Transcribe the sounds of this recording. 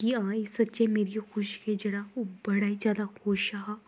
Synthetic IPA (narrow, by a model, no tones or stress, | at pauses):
kiãːesɐtːʃemeːɾixʊʃked͡ʒeɽaobɐɽaːizjaːd̪axoːʃaɦaː